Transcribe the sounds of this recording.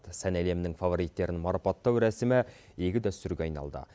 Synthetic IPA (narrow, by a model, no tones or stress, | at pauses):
t̪sænæle̞mnɪŋfɑvo̞ɾijt̪ːe̞ɾɪnmɑɾɑpɑt̪ːɑwɾæsɪmɪje̞kʲɪd̪æst̪ʏɾɡʲeɑjnɑ̰lˠd̪ə̰